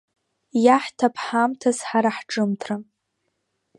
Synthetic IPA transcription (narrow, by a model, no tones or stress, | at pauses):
jaħtʰapʰħamtʰazħaɾaħʈ͡ʂʼɨmtʰra